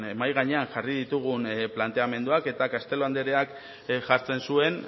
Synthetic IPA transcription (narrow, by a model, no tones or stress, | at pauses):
e̞majɣaɲe̞anʝarið̞it̪uɣ̞unplant̪e̞ame̞nd̪uake̞t̪akast̪e̞loand̪eɾe̞ak | ʝaɾt͡se̞nsue̞n